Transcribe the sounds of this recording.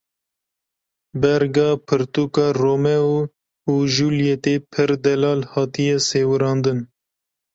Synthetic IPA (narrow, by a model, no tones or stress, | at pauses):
bɛɾɡɑːpʰɨɾt̪uːkɑːroːmɛ | uʒuːljɛt̪epʰɨɾd̪ɛlɑːlhɑːt̪ijɛseːwɨɾɑːnd̪ɨn